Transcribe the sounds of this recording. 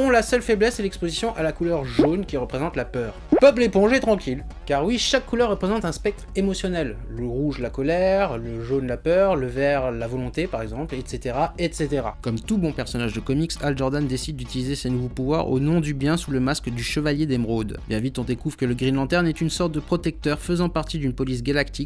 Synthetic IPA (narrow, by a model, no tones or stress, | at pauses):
ɔ̃lasœlfɛblɛsɛlɛkspozisjɔ̃ʔalakulœʁʒonkʲiʁəpχezɑ̃t̪lapœːʁpœplepɔ̃ʒɛt̪χɑ̃kʲʰil | kaʁwiʃakːulœʁːəpχezɑ̃t̪ɛ̃spɛk̚t̪χemɔsjɔnɛlːəʁuʒlakɔlɛʁləʒonlapœʁləvɛʁlavɔlɔ̃t̪epaʁɛɡzɑ̃plɛt̪set̪eʁaɛt̪set̪eʁa̰kɔmt̪ubɔ̃pɛʁsɔnaʒd̪əkɔmiksalʒɔʁd̪and̪esid̪̚ːyt̪ilizesenuvopuvwa̰ʁo̰nɔ̃d̪ybjɛ̃suləmaskd̪yʃəvaljed̪ɛmʁod̪bjɛ̃vit̪ɔ̃d̪ekuvʁkələɡʁinlɑ̃t̪ɛʁnɛt̪ynsɔʁt̪̚d̪əpχɔt̪ɛk̚t̪œʁfəzɑ̃paʁt̪id̪ynpɔlis̬ɡalakt̪ikʲ